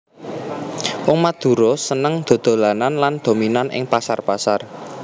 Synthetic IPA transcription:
wɔŋmad̪̥ṳɾɔsənəŋd̪̥o̤d̪̥o̤lananland̪̥o̤minanʔɪ̰ŋpasarpasar

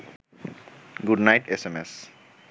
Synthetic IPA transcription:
ɡuɖnajʈesemes

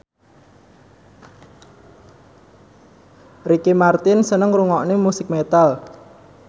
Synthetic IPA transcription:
rikimart̪ɪnsənəŋruŋɔʔnemusɪk̚met̪al

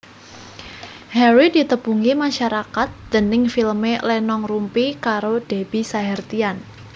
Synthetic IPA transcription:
hɛɾidit̪əb̥uŋimaʃaɾakat̪̚d̪̥ənɪŋfilmelɛnɔŋrumpikaɾod̥eb̥i̤saɦɛrt̪ian

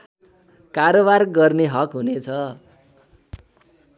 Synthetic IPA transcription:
kaɾobarɡʌrneɦʌkɦunet͡sʰʌ

